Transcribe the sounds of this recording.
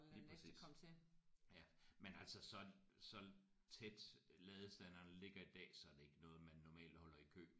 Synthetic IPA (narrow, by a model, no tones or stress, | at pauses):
liːpʁɛsḭːsʰejæmenæl̰sɒsɒ̽sɒ̽ | t͡sʰed̥lɛːð̞ˠsd̥æn̰ɐnle̝ɡ̥ɐid̥ɛ̰ːsɒ̽æɐd̥ee̝ɡ̥ənɔ̽ːð̞̩ˠmænːɒmɛ̰ːld̥hɒ̽lɐikʰø̰ː